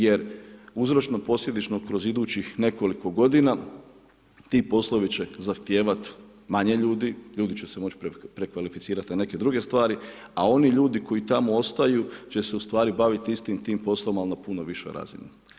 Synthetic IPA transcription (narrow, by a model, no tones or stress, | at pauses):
je̞ɾuzɾo̞t͡ʃnopo̞slʎʲe̞d̪it͡ʃno̞kɾo̞zid̪uːt͡ɕixne̞ko̞liko̞ɡo̞d̪ina | t̪iːpo̞slˠo̞ʋit͡ɕe̞zaxt̪jeːʋat̪ | maɲe̞ʎuːd̪iʎuːd̪it͡ɕe̞semo̞t͡ʃppɾe̞kʋalifit̪siːɾat̪nane̞ke̞d̪ɾuɡe̞st̪ʋaːɾi | ao̞niʎuːd̪iko̞jit̪amoo̞st̪ajut͡ʃe̞se̞ust̪ʋaːɾibaʋit̪ist̪imt̪iːmpo̞sloʋomalnapuno̞ʋiʃo̰jɾa̰ːzḭni